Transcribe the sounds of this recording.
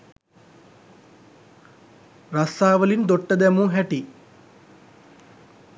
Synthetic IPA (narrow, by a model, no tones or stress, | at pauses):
ɾasaːʋəlind̪oʈːəd̪ɛmuɦɛʈi